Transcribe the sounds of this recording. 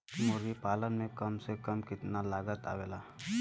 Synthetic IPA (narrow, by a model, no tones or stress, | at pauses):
mʊɾipaːlənmẽkəmsekəmkɪt̪nalaːɡət̪a̰ːʋeːlaː